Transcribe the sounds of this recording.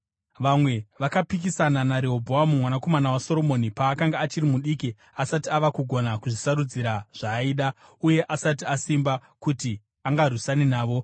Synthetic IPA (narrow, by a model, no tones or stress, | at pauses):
ʋamwe̞ʋakapik̬isananaɾeɦobʱowamumwanako̞manawaso̞ɾo̞mo̞nipaːkaŋɡaːt͡ʃirimuɗiki | asatiaʋakuɡʱo̞nakuʐisaɾud͡ziɾaʐ̥aiːɗa | uje̞ʔasat̬iasimba | kuti | aŋɡarusaninaːʋo̞